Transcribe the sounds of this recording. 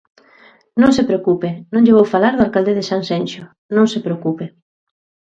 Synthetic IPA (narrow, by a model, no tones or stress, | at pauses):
nõŋsepɾeokupenõŋʎeβowfalaɾðʊalkald̪eðɪsaŋsenʃʊ | nõŋsepɾeokupe